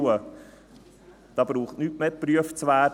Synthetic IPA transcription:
ə | d̥ɑb̥ɾuːχtnytmeːpryəft͡sʋæː

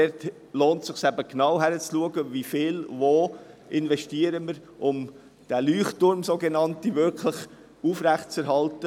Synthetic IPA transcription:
dɛɾt | loːntsɪχsæbəknɑwɦæɾət͡sluəɡəvifɪːlvoː | ʔɪnvɛʃtiːəɾəməɾʔʊm | d̥æːlyːχtʊɾmsoːɡenɑntivʏɾkʰləχ | uːfɾæχtt͡sɛɾɦhɑltə

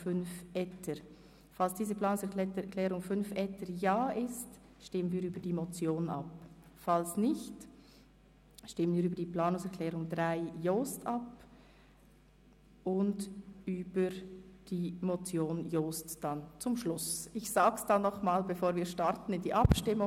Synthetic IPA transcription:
fʏnfʔɛtʰəɾ | falsd̥iːzəplaːnʊŋsɛɐkkʰlɛːʁʊŋfʏnfɛtʰəɾjaːʔɪst | ʃtɪmənviːɾyːbədiːmot͡sjoːnʔa̰pfalsnɪçt | ʃtɪmənviːɾyːbəd̥iːpl̥aːnʊŋsɛɐkʰlɛːʁʊŋdʁaɪjoːstɑp | ʔʊndʔyːbəɾd̥iːmot͡sjoːnjoːstd̥ant͡sʊmʃlʊsɪçsaːɡəsd̥anːɔχmaːlbefoːɾviːʃtɑɾtn̩ɪndiːʔɑpʃtɪmʊ

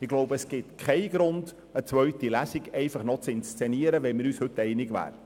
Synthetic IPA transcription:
ɪɡ̥loʊbəəsɡ̥ɪtkχɛɪɡɾʊnd̥ | ət͡sʋœɥtilæsiɡɛɪfɑχnɔt͡sɪnst͡sɛniəɾəʋɛnmɪɾyːshɵtːɛɪnɪɡʋæ̰ːɾ

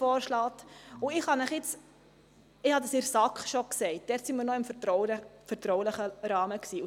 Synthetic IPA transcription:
fɔːɾʃlɑt̪ʊɪχhɑnəχɪt͡s | ɪhɑdɑsɪɾsɑkχʃɔksɛɪt̚d̥ɛːɾtsiməɾnɔɪmfətɾɔʊfəɾtɾɔwləχəɾɑːməksiːʊ

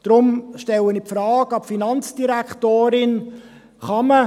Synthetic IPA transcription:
d̪̥ɾʊmʃtɛlənipfɾɑːɡɑpfinɑnt͡sd̥iɾæktoːɾɪn | χɑmə

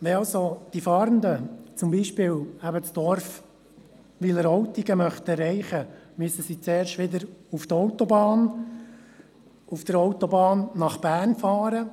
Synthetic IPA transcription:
ʋɛɑlsod̪̥ifɑːɾənd̪ət͡sʊmbiːʃpɪːlæbət͡sd̥̪ɔɾf | ʋɪləɾɔwtiɡəmœχt̪ɛrːɛɪχəmysəsit͡sɛːɾʃtʋɪd̪əɾuft̪ɔwtɔbɑːn | ufd̥̪əɾɔʊt̪ɔbɑːnːɑχb̥æːrnfɑːɾə

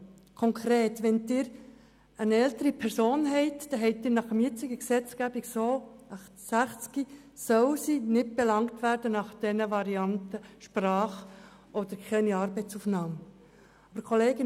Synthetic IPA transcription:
kʰɔŋkʰɾeːtʋɛndɪːɾ | ənɛltəɾipʰɛɾsoːnɦɛɪtd̥ɛɦɛɪt̚d̥ɪːɾnɑχəmjɪt͡sɪɡəksɛt͡sɡæbiɡsoːɑχtsæχt͡ski | sœwsinɪt̚b̥ɛlɑŋtʋæːɾdənɑχd̥ɛnəʋɑɾiɑntəʃprɑːχ | ɔd̥̪əɾkʰɛniɑːɾbɛɪt͡sufnɑːm | ɑbəɾkʰoleːɡɪn

